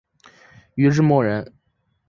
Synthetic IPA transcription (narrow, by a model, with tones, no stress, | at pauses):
y˧˥ʈ͡ʂɻ̩˥˧mwɔ˥˩ɻə˧˥n